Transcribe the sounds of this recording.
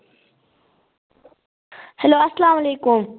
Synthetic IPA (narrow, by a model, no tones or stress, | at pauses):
hɛloːɐslaːmɐleːkʊm